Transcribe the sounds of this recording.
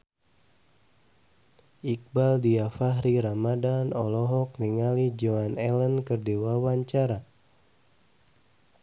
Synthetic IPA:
ʔik̚baldiafaɦɾiɾamadanɔlɔɦɔk̚niŋalid͡ʒoanɛlənkɨrdiwawaɲt͡ʃaɾa

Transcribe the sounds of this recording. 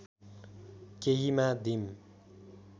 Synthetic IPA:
keɦimad̪im

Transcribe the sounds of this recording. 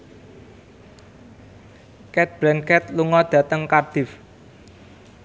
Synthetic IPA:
kɛt̪̚b̥ɾɛnkɛt̪luŋɔd̪̥ä̤t̪əŋkard̪̥ɪ̤f

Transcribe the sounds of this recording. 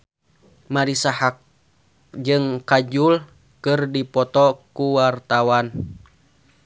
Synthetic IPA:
maɾisahak̚ | d͡ʒɨŋkad͡ʒul | kɨrdipɔt̪ɔkuwart̪awan

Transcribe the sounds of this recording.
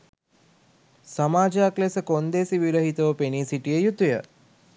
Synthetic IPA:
samaːd͡ʒəaklesəkond̪esiʋiɾəɦit̪əʋəpeniːsiʈijəjut̪ujə

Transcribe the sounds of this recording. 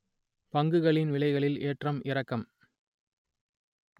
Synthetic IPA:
pɐŋɡɯɣɐɭɪnʋɪɭɐɪɣɐɭɪleːʈrɐmɪrɐkːɐm

